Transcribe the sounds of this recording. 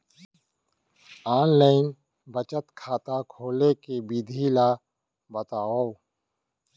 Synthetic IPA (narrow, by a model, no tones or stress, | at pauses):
aːnlaːɪn | bət͡ʃət̪kʰaːt̪akʰoːlekebid̪ʱila | bət̪aːo